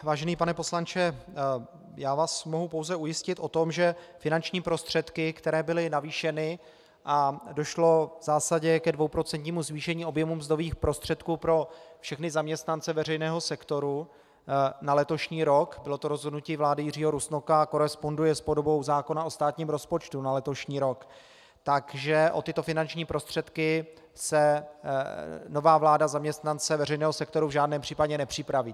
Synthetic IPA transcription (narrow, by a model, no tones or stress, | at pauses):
vaːʒɛniːpanɛpo̞slant͡ʃɛ | jaːvaːsmo̞ɦupowzɛujɪscɪt̪ʔo̞t̪o̞mʒɛfɪnant͡ʃɲiːpɾo̞st̪r̥ɛt̪kɪkt̪ɛɾɛːbɪlɪnaviːʃɛnɪ | ʔado̞ʃlo̞vz̥aːsaɟɛkɛdvo̞wpɾo̞t͡sɛnt̪ɲiːmuzviːʃɛɲiːo̞bjɛmumzd̪oviːxpɾo̞st̪r̝̥ɛt̪kuːpɾo̞fʃɛxnɪzamɲɛst̪nant͡sɛvɛrɛjnɛːɦo̞sɛkt̪o̞ɾu | nalɛt̪o̞ʃɲiːɾo̞kbɪlo̞t̪oɾozɦodnuciːvlaːdɪjɪr̝iːɦoɾusnokako̞ɾɛspo̞ndujɛspodobo̞wzaːko̞naost̪aːt̪ɲiːmɾo̞spo̞t͡ʃt̪unalɛt̪o̞ʃɲiːɾo̞k | t̪akʒɛʔo̞t̪ɪt̪o̞fɪnant͡ʃɲiːpɾo̞st̪r̝̥ɛt̪kɪ | sɛ | no̞vaːvlaːdazamɲɛst̪nant͡sɛvɛrɛjnɛːɦosɛkt̪o̞ɾuvʒaːdnɛːmpr̝̥iːpaɟɛnɛpr̥ɪpɾaviː